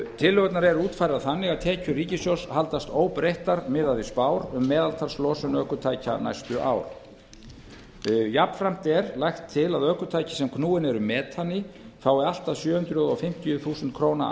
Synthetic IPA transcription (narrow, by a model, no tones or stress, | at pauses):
t̪ʰɪlːœɣt̪naɾɛɾuːt̪fajɾaðθanːɪɣaðt̪ʰɛːcʏriːcɪsjowshalt̪ast̪oːwpɾejht̪aɾmɪðaðispaːwɾʏmːɛːðalt̪ʰaɾslɔːsʏnœkʏt̪ʰaːjca̰na̰jst̪ʏʔa̰ːwɾ̥ | japn̥fɾam̥t̪ɛɾlajxt̪ʰːɪlaðœkʏt̪ʰaːjcɪ̥sɛmkʰnuːɪnɛɾʏmɛːt̪anːɪ | faːwɪal̥t̪aðsjœːhʏnt̪ɾʏðɔfɪm̥t̪ijʏθuːsɛnt̪̚kʰɾoːwna̰